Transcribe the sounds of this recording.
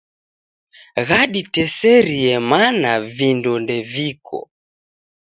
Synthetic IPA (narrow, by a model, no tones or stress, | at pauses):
ɣaɗitɛsɛɾiɛmanavindɔndɛvikʰɔ̰